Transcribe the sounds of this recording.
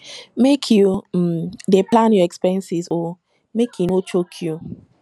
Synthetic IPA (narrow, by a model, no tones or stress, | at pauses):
mekʰjumdeplãnjɔɛkspɛɹɛ̃nsizɔ | mekʰjunot͡ʃokʰju